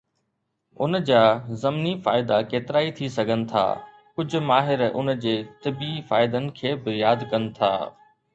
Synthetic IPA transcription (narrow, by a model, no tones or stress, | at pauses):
ʊnd͡ʑaːzɐmnifaːɪd̪akeːt̪ɪɾaːit̪ʰisɐɡʱənɪ̆t̪ʰa̰ː | kʊd͡ʑʱʊ̆maːɦɪɾʊ̰nd͡ʑeːt̪ɪbifaːɪd̪ənɪ̆kʰeːbɪjaːd̪kɐnɪ̆t̪ʰa̰ː